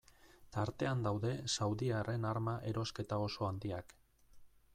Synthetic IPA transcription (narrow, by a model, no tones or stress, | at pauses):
t̪aɾt̪e̞and̪awðe̞sawðiare̞naɾmaʔe̞ɾo̞ske̞t̪ao̞so̞and̪iak